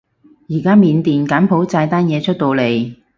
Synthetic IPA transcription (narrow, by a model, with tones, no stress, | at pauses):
jiː˨˩kaː˥miː˨˧nt̪iː˨nkaː˨˥npʰo˨˥wt͡saː˧jt̪aː˥njɛː˨˧t͡ʃʰɵ˥t̚t̪o˧wle˨˩j